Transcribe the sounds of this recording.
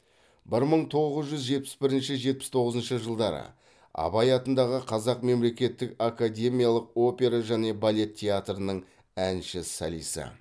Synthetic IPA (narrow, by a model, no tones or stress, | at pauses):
bɪɾməɴt̪ʰo̞ʁəzʒʏzʒe̞t̪̚pɪ̥sbɪɾɪnʃɪʒe̞t̪̚pɪ̥st̪ʰo̞ʁəzənʃəʒəlˠd̪ɑɾə̰ | ɑ̰bɑjɑt̪ənd̪ɑʁəqʰɑzɑqme̞mle̞kʲe̞t̪ːɪkakad̪ʲe̞mijalˠəq̚o̞pʲe̞ɾaʒæne̞balʲe̞t̪ʲʰːe̞at̪rənəɴ | ænʃɪsa̰lḭjsɪ̰